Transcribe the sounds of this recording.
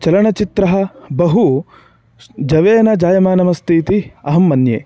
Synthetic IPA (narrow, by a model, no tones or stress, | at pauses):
t͡ʃɐlɐɳɐt͡ʃit̪ɾɐɦɐ̆bɐɦu | d͡ʒɐʋeːnɐd͡ʒaːjɐmaːnɐmɐst̪ʰiːt̪iɐɦɐmːɐnjḛː